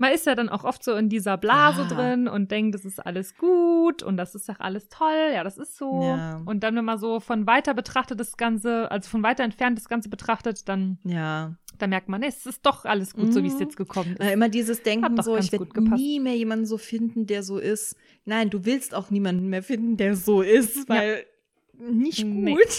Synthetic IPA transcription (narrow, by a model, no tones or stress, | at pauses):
manɪstjaːɾanʔa̰ʊxʔɔftz̥oːɪndiːzɐblaːzədʁɪnʊ̰nt̚d̥ɛŋk̚tɛsɪstʔa̰ləsɡ̥uːtʊ̰nt̚d̥asɪstdaχʔa̰ləstʰɔljaːɾasɪstz̥oːjʔʊnt̚d̥anvɛnmanzoːfɔnvaɪtɐbətʁ̥aχtət̚d̥asɡ̥ant͡səʔa̰lzofɔnvaɪtɐɛntfɛɐnt̚d̥asɡ̥ant͡səbətʁ̥aχtətd̥anjaːd̥anmɛɐk̚tmanːɛsɪst̚d̥ɔχʔaləsɡ̥uːtz̥oːviːsjɛt͡stɡ̥əkʰɔmənʔɪaɐʔɪmɐdiːzəsd̥ɛŋkhaŋ̩dzoːɪaçnɡeɐɡuːt̚ɡ̥əpnʰpʰasiːmeːɐjeːmandn̩zoːfɪndn̩deːɐzoːʔɪst | naɪnduːvɪlstaʊxniːmandn̩meːɐfɪndn̩deːɐzoːʔɪstvaɪl | nɪçɡ̥nuːt